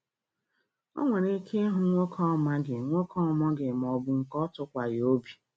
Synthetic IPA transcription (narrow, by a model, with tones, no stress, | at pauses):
o̰˦ŋʷe˨ɾe˦kʰe˦ɦʊ˨˦ŋʷo˦kʰɔ˦˨ma˦ɡɪ˨ŋʷo˦kɔ˦˨mɔ˦ɡɪ˨mɔ˨bʊ˦ŋ̩˨kɔ˦tʊ˦kʷa˨jo˦bi˨